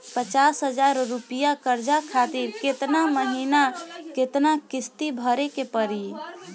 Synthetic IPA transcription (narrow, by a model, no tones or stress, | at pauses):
pət͡ʃasɦəd͡ʒaɾɾupijakəɾd͡ʒakʰat̪iɾket̪naməɦinaket̪nakist̪ibʱəɾekepəɾi